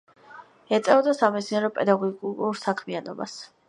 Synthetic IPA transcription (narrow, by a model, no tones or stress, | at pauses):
ɛt̪sʼɛɔd̪asamɛt̪sʰniaɾɔpʼɛd̪aɡɔɡuɾsakʰmianɔba̰s